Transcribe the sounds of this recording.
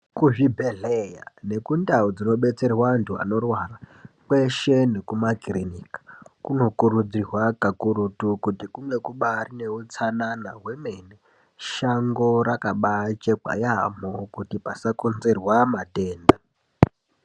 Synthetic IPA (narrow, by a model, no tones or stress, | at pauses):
kuʐibʱeɮeja̰ne̞kundaud͡zino̞ɓe̞t͡se̞rwantʰua̰no̞rwaːrakwe̞ʃe̞nekumakrinikḁkuno̞kurud͡zirwakakuɾutukutikuŋɡe̞kuɓarine̞ut͡sananaɦwe̞me̞ne | ʃaŋɡo̞ɾakaɓat͡ʃek͡pa̰jamokutipasakonzerwamate̞ːnda